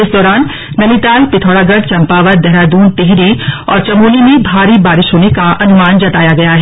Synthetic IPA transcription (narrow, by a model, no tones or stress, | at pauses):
ɪsd̪ɔːɾaːn | nɐnit̪aːlpɪt̪ʰɔːɽaːɡɐɽt͡ʃɐ̃mpaːʋəɾd̪ɛɦɾaːd̪uːnt̪eɦɾiɔ̰ːɾt͡ʃɐmuːlimẽbʱaːɾibaːɾɪʃɦoːnekaɐnʊmaːnd͡ʒɐt̪aːjaɡɐjaɦɛː